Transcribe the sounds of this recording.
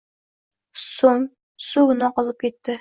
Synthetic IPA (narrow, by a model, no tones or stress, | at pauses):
soŋ | suɣɤ̆nɑqŏzˠɤp̚kit̪ːɘ